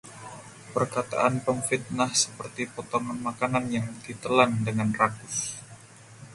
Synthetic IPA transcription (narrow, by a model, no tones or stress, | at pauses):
pərkat̪a̰ʔanpəmfit̪̚nahsə̥pərt̪ipot̪oŋanmakananjaŋdit̪əlandəŋanrakʊs